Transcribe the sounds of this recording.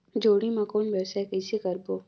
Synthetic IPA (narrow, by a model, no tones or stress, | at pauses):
d͡ʒoːɽimɐkoːnbɛːsɛkɛisekɐɾboː